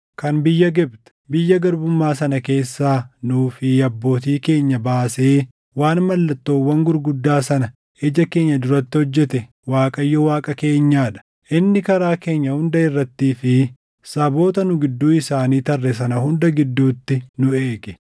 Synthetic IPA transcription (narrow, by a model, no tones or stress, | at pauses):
kɐnbɪjːɐɡɛbt̪ɛ̥bɪjːɐɡɐɾbʊmːaːsɐnɐke̞ːsːaːnuːfɪɐbːo̞ːt̪̬iːke̞ːɲːɐbaːseː | waːnmɐlːɐt̪ːo̞ːwːɐŋɡʊɾɡʊd̪ːaːsɐnɐ | ʔɛd͡ʒɐke̞ːɲːɐd̪ʊɾɐt̪ːɪhɔd͡ʒːɛt̪ɛ | waːkʼɐjːɔwaːkʼɐke̞ːɲːaːᶑɐ̥ | ʔɪnːɪkɐɾaːke̞ːɲːɐhʊnd̪ɐɪrːɐt̪ːiːfɪ | sɐbo̞ːt̪ɐnʊɡɪd̪ːuːɪsaːniːt̪ɐrːɛs̬ɐnɐhʊnd̪ɐɡɪd̪ːuːt̪ːɪnʊe̞ːɡɛ̥